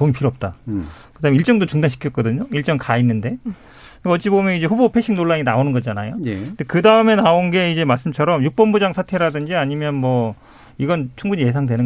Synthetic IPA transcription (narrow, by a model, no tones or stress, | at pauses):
poŋipʰiɾoʌp̚t͈a | kɯdaːmiɭt͡ɕ͈ʌŋdot͡ɕuŋdanɕʰi̥kʰjʌt̚k͈ʌdɯɲoiɭt͡ɕ͈ʌŋkainːɯnde̞ | iʌʌt͡ɕ͈ibomjʌnid͡ʑe̞ɸubopʰeɕʰiŋnoɭːaɲinaonɯnɡʌd͡ʑanajondekɯdaɯme̞naonɡe̞id͡ʑe̞maɭs͈ɯmt͡ɕʰʌɾʌmjuk̚p͈ʌmbud͡ʑaŋsʰatʰe̞ɾadɯnd͡ʑiaɲimjʌnmʌ | iɡʌnt͡ɕʰuŋɡuɲije̞s̬ʰaŋdwenɯ